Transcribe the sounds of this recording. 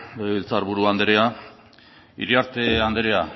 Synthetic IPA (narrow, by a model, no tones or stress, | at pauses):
ilt͡saɾβuɾuand̪eɾea | ḭɾiaɾt̪e̞and̪eɾe̞a